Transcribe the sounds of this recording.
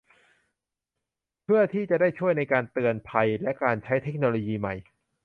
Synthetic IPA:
pʰɯ˥˩ɐt̪ʰiː˥˩t͡ɕa˨˩ʔdaː˥˩jt͡ɕʰu˥˩əjna˧jkaː˧nt̪ɯ˧ənpʰa˧jlɛ˦˥ʔkaː˧nt͡ɕʰa˦˥jt̪ʰe˦˥k̚noː˧loː˧jiː˧ma̰˨˩j

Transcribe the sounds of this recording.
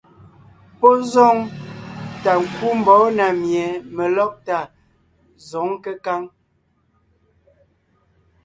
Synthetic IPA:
pɔ˦zɔ˦˨ŋ | ta˨ŋ̩˨ku˦m˨bɔ˨˦na˨mjɛ˨mə˨lɔ˦k̚ta˨ | zɔ˨˦ŋkə˦ka˦ŋ

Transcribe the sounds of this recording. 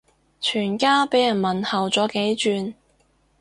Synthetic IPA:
t͡ʃʰyː˨˩nkaː˥pe˨˥jɐ˨˩nmɐ˨˩nhɐ˨wt͡sɔː˨˥ke˨˥jt͡ʃyː˧n

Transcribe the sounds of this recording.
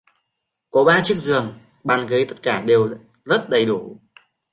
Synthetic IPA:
ko˨˦ɓaː˧t͡ɕɨ˦˥ək̚zɨ˨˩əŋ | ɓaː˨˩nɣə˨˦jt̪ə˦˥t̚kaː˧˩ɗe˨˩w | zə˦˥t̚ɗə˨˩jɗu˧˩

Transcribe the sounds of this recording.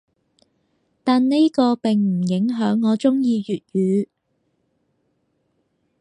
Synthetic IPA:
t̪aː˨nne˥jkɔː˧pɪ˨ŋm̩˨˩jɪ˨˥ŋɦœː˨˥ŋːɔː˨˧t͡sʊ˥ŋjiː˧ɥyː˨t̚jyː˨˧

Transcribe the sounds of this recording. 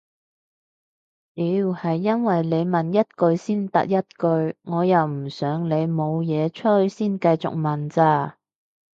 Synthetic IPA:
liː˨˥˨hɐ˨jːɐ˥nwɐ˨jle˨˧jmɐ˨˩njɐ˥t̚kɵ˧ɥsiː˥nt̪ɐ̰˨˥k̚jɐ˥t̚kɵ˧ɥŋɔː˨˧jɐ˨wm̩˨˩sœː˨˥ŋle˨˧jmo˨˧wjɛː˨˧t͡ʃʰɵ˥hsiː˥nkɐ˧jt͡sʊ̰˨k̚mɐ˨˩nt͡saː˧˩

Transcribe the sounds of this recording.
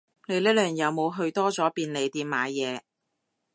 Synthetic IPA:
ne˨˧jlɛ˥lœː˨˩ŋjɐ˨˧wmo˨˧wɦɵ˧ɥt̪ɔː˥t͡sɔː˨˥piː˧nle˨˧jt̪iː˧mmaː˨˥jjɛː˨˧

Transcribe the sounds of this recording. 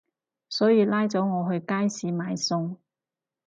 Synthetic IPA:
sɔː˨˥jiː˨˧laː˥jt͡sɔː˨˥ŋɔː˨˧ɦɵ˧ɥkaː˥jsiː˨˧maː˨˧jsʊ˧ŋ

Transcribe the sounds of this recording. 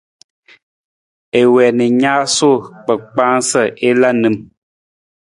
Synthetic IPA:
e˨wɛ˨ni˨ɲaː˦so˦˨k͡pə˨k͡pa˦ŋsə˦˨ʔe˦la˦nɨ˨m

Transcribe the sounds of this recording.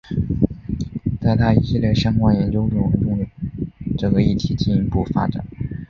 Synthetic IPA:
t͡s̪a˥˧ɪt̪ʰa˥˩i˧˥ɕi˥˧ljɛ˥˩ʂjɑ˥ŋkwa˥˩njɛ˧˥nt͡ɕjo˥ʊʈ͡ʂu˥˩ə˧˥nʈ͡ʂʊ˥ŋ˧˩˥ʈ͡ʂɤ˥˩ɡə˦i˥˩t̪ʰi˧˥t͡ɕi˥˩ni˧˥pu˥˩fa̰˥ʈ͡ʂa̰˨˩˦

